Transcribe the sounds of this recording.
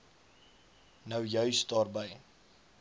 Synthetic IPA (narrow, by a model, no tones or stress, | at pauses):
nəwjœɥstɑːrbəj